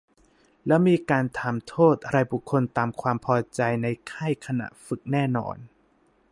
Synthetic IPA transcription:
lɛ˦˥miː˧kaː˧nt̪ʰa˨˧˩mt̪ʰoː˥˩t̪̚ʔa˧ɾa˧jbu˨˩kʰːo˧nt̪aː˧mkʰwaː˧mpʰɔː˧t͡ɕa˧jna˧jkʰa˥˩jkʰa˧na̰˨˩fɯ˨˩k̚nɛː˥˩nɔ̰ː˧n

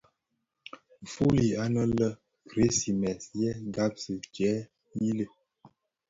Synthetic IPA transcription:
fu˦li˨a˦nə˦lə˦ | kɾe˨˦si˨mɛ˨sjɛ˦ɡa˦p̚sə˨t͡ʃɛ˨˦ | ji˦lə˨

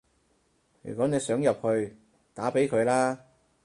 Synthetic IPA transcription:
jy̰˨˩kʷɔ˨˥ne˨˧jsœː˨˥ŋjɐ˨p̚hɵ˧ɥ | t̪aː˨˥pe˨˥jkʰɵ˨˧ɥlaː˥

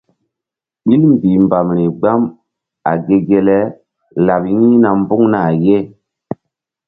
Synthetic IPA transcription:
ɓi˦lm˨bi˨mba˨mɾi˨ɡ͡ba˦m | a̰˨ɡe˨ɡe˨lɛ˦ | la˨p̚jĩ˦na˨m˦bu˦ŋna˨je˦

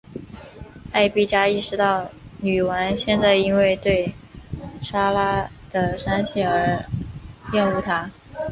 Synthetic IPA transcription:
a˥˧ɪpi˥˩t͡ɕja˥i˥˩ʂɻ̩˧˥t̪ɑ˥˩ʊny˨˩wa˧˥nɕjɛ˥˧nt͡sa˥˩ɪi˥nwe˥˧ɪt̪we˥˩ɪ | ʂa˥la˥ | d̪̥ə˨ʂa˥nɕʰɛ˥˩ə˞˧˥ | jɛ˥˧nu˥˩t̪ʰa˥

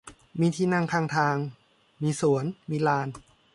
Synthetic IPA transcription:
miː˧t̪ʰiː˧na˧ŋkʰaː˧ŋt̪ʰaː˧ŋ | miː˧su˨˩˦ənmiː˧laː˧n

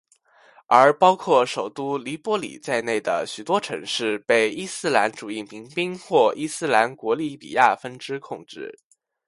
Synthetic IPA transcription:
ə˞˧˥pɑ˥ʊkʰwɔ˥˩ʂo˨˩ʊt̪u˥li˧˥pwɔ˥lḭ˨˩t͡sa˥˧ɪne˥˩ɪd̪ə̰˩ɕy˨˩t̪wɔ˥ʈ͡ʂʰɤ̰˧˥ŋʂɻ̩˥˧pe˥˩ɪi˥˩sɹ̩˥la˧˥nʈ͡ʂu˨˩i˥˩mi˧˥ŋpi˥ŋxwɔ˥˩ʔi˥˧sɹ̩˥˩la˧˥nkwɔ˧˥li˥˩pḭ˨˩ja˥˩fə˥nʈ͡ʂɻ̩˥kʰʊ˥˧ŋʈ͡ʂɻ̩˥˩

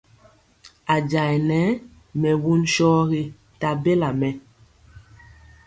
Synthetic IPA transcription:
a˨d͡ʒa˨jnɛ˨˦ | mɛ˨wu˦nʃɔː˦ɣi˦ | ta˨be˦la˨mɛ˨

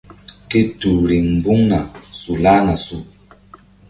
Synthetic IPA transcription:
ke˦tu˨ɾi˨ŋm̩˨bu˦ŋna˨su˨la˦na˨su˨

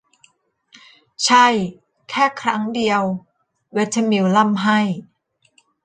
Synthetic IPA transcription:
t͡ɕʰa˥˩j | kʰɛː˥˩kʰɾa˦˥ŋdi˧əw | we˦˥t̪ʰa˧mi˧˥wla˥˩mɦa˥˩j

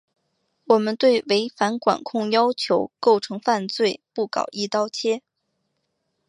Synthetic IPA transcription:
wɔ˨˩mə˦nt̪we˥˩ɪwe˧˥ɪfa˧˥nkwa̰˨˩nkʰʊ˥˩ŋjɑ˥ʊt͡ɕʰjo˧˥ʊko˥˩ʊʈ͡ʂʰɤ˧˥ŋfa˥˧nt͡swe˥˧ɪpu˥˩kɑ̰˨˩ʊʔi˥˧t̪ɑ˥˩ʊt͡ɕʰjɛ˥

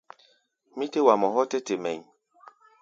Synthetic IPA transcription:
mĩ˦te˦wa˨mɔ˨ɦɔ˦tɛ˦te˨mɛ̰˨ɲ

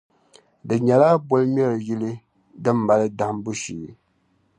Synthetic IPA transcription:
dɨ˨ɲɛ˨la˦bo˦lɨ˦m˦ɛ˦ɾɨ˨ji˦lɨ˦ | dɨ˦m̩ː˦˨a˨lɨ˦da˨˦mbʊ˦ʃi˨˦

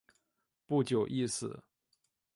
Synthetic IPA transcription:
pu˥˩t͡ɕjo˨˩ʊʔi˥˩sɹ̩˨˩˦

